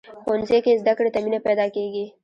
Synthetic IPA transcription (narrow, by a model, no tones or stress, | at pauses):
xonzekezd̪akɽet̪aminepɛd̪ɑkeɡi